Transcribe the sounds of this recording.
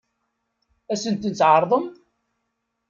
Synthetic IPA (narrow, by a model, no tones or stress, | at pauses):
æsənt̪ənt͡sːʕəɾˤðˤəm